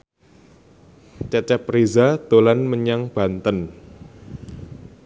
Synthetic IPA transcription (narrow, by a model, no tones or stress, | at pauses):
t͡ʃɛt͡ʃɛprezad̪̥olanməɲaŋb̥a̤nt̪ən